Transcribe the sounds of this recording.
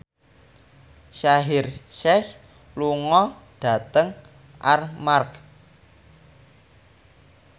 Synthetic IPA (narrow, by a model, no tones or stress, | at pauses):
ʃaɦɪrʃɛs | luŋɔ | ɖ̥a̤t̪əŋ | ʔa̰rmark